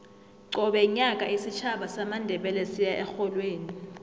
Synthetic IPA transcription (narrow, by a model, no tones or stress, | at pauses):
ǀɔɓɛɲak̬ʼaisit͡ʃʰaɓasamandʱɛɓɛlɛsijaʔɛxɔlweːni